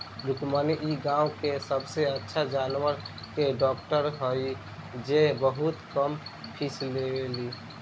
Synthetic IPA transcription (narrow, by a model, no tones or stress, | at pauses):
lukmaniʔiɡãũkesəbseətːʃʰad͡ʒaːnwəɾ | keɖɔːk̚ʈəɾɦoi | d͡ʒebəɦut̪kəmpʰisleli